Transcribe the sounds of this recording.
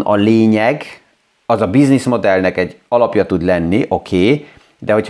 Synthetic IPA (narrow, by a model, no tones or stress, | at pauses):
nɒleːɲɛɡ | ɒzɒbiznismo̞d̪ɛlnɛkɛɟːɒlɒpjɒt̪ud̪lɛnːiʔo̞kʰeː | d̪ɛɦo̞cʰ